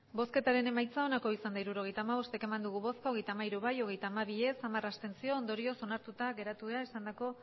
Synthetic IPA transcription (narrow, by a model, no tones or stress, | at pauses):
bo̞ske̞t̪aɾe̞ne̞majt͡sao̞nako̞isand̪aiɾuɾo̞ɣ̞e̞jt̪aːmaβ̞o̞st̪e̞ke̞mand̪uɣ̞uβo̞skoɣ̞e̞jt̪aːmaiɾuβajo̞ɣ̞e̞jt̪aːmaβ̞ie̞samarast̪e̞nsio̞ːnd̪o̞ɾio̞so̞naɾt̪ut̪aɡe̞ɾat̪uðeaeisand̪ako̞